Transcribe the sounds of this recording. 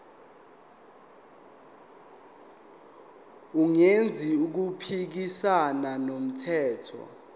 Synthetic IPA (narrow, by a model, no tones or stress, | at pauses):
uŋend͡zʱiuk̬upʰik̬isananom̩tʰɛːtʰɔ̰